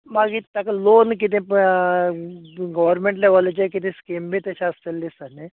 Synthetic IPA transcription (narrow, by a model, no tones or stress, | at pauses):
maɡit̪jakalonkit̪̬ẽ | ɡɔʋəɾmẽɳʈlaʋəlet͡ɕakit̪ʰẽskimbʱiːt̪aɕaəst̪elːisane